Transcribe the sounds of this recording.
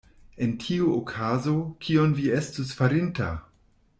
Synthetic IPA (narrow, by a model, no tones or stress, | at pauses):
e̞ntʰiuokʰazo̞kʰionvie̞stusfaɾinta̰